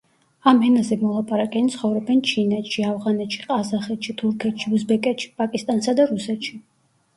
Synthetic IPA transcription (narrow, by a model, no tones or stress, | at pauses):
amɛnazɛmɔlˠapʼaɾakʼɛnit̪sʰχɔvɾɛbɛnt͡ʃʰinɛt̪ʃiavʁanɛt̪ʃi̥qʼazaχɛt̪ʃit̪ʰuɾkʰɛt̪ʃiuzbɛkʼɛt̪ʃi̥pʼakʼist̪ʼansad̪aɾusɛt̪ʃi